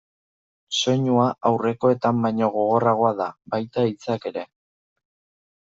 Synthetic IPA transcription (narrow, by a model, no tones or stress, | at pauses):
so̞ɲuaawre̞ko̞e̞t̪ambajɲo̞ɣ̞o̞ɣ̞o̞raɣ̞o̞aðabajt̪ait͡sake̞ɾe̞